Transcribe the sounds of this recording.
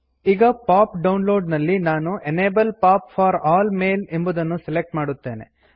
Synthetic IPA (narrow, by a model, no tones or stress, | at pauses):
iːɡɐpaːpɖɐwnlo̞ːɖnɐlːinaːnuʔeneːbɐlpaːpfaːɾaːlmeːlembud̪ɐnːuselek̚ʈmaːɽut̪ːe̞ːnḛ